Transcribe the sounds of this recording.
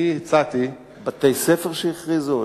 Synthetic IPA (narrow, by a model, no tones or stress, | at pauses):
iit͡sat̪i | bat̪ejsɛfɛʁʃɛiχʁizo